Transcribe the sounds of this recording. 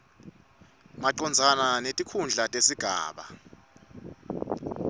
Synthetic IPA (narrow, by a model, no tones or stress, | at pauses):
maǀɔnd͡zʱananetʼikʰund͡ɮʱatʼesiɡ̥ʱa̰ːɓa̰